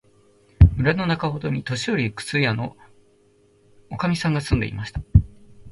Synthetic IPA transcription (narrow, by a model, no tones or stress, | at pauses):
mɯ̟ɾano̞nakaɦo̞d̪o̞ɲ̟it̪o̞ɕio̞ɾʲikɯ̥t͡sɨjano̞ | okamʲisãŋɡasɨ̃nd̪e̞̰ḭmaɕi̥t̪ḁ